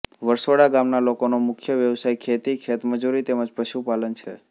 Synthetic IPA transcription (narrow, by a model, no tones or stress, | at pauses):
ʋəɾsoɽaɡamnalokonomʊkʰjəʋjəʋsajkʰet̪ikʰet̪məd͡ʒuɾit̪eməd͡ʒpəʃupalənt͡ʃʰe